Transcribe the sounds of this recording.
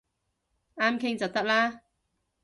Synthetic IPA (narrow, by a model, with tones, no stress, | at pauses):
ʔaː˥mkʰɪ˥ŋt͡sɐ˨wt̪ɐ˥k̚laː˥